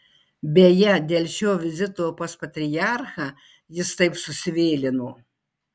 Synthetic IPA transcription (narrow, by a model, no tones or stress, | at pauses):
bʲeːjɛd̪ʲeːlʲʃʲoːʋʲɪzʲɪt̪oːpɐspɐt̪ʲɾʲɪjaːɾxɑː | jɪst̪ɐɪpsʊsʲɪʋʲeːlʲɪnoː